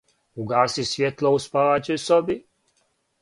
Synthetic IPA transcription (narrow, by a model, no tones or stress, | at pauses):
uɡaːsisvʲjɛt̪lˠouspaat͡ɕesɔbi